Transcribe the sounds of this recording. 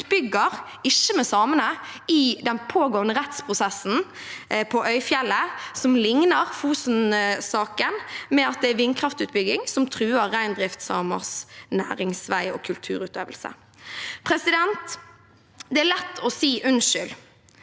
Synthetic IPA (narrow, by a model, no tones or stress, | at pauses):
bʏɡəʁ | ɪʃːəmɛsɑːmənəɪd̪ɛnpʰoːɡoːnəʁɛt̪spʰʁʊsɛsːn̩ | pʰɔʔœʏfjɛlːəsɔmlɪŋnəʁfuːsn̩sɑːkənmɛɑt̪̚d̪ɛæɾʋɪnkʰʁɑft̪ʉːt̪̚bʏɡɪŋsɔmt̪ʰʁʉːəʁːæɪnd̪ʁɪft̪sɑːmə̰ʁsnæ̰ːʁɪŋsʋæɪɔ̰ːkʰʉlt̪ʰʉ̰ːʁʉːt̪ø̰ːʋəlsə̰ | pʰʁɛsɪd̪ɛnt̪ | d̪ɛælɛt̪ːɔsiːʔʉnʃʏl